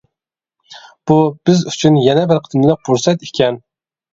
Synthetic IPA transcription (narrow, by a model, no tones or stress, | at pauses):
b̥ub̥ɪzyt͡ʃʰynjɛnɛbɪɾqʰət̪mlɨk̚buɾsɛt̪i̥kʲɛn